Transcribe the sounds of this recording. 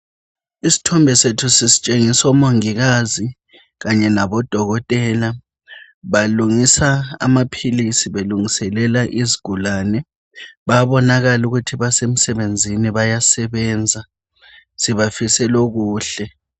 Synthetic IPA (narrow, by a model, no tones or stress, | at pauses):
isi̥tʰɔmbʱɛsetʰusisi̥t͡ʃʼeŋisɔmoŋiɣazi | ɣaɲɛnaβɔd̥ʱɔɣɔtʼɛːla | βaluŋisaa̰mapʰilisiβeluŋisɛlɛlaʔiziɡ̥ʱulaːnɛ | βaβɔnaɣaluɣutʰiβasem̩sɛβend͡zʱiniβajasɛβɛːnd͡zʱa | siβafisɛloɣuːɬɛ